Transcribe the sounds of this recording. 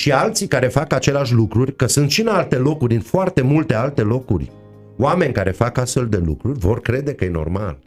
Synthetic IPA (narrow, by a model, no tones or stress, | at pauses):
ʃialt̪sikaɾe̞fakat͡ʃe̞leaʃ̬ʲlukɾurʲkəsunt̪ʃinalt̪e̞lo̞kurʲɨnfoart̪e̞mult̪e̞alt̪e̞lo̞kṵrʲ | oame̞nʲkaɾe̞fakast̪fe̞ld̪e̞lṵkɾurʲvo̞rkɾe̞d̪e̞kəjeno̰rma̰l